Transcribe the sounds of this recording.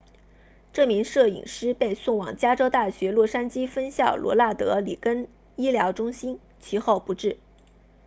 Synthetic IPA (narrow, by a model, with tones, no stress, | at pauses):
ʈ͡ʂɤ˥˩mi˧˥ŋʂɤ˥˩ḭ˨˩ŋʂɻ̩˥pe˥˧ɪsʊ˥˩ŋwɑ̰˨˩ŋt͡ɕja˥ʈ͡ʂo˥ʊt̪a˥˩ɕɥɛ˧˥lwɔ˥˩ʂa˥nt͡ɕi˥fə˥nɕjɑ˥˩ʊlʔwɔ̰˧˥la˥˩t̪ɤ˧˥li˨˩kə˥n | i˥ljɑ˧˥ʊʈ͡ʂʊ˥ŋɕi˥n | t͡ɕʰi˧˥xo˥˩ʊpu˧˥ʈ͡ʂɻ̩˥˩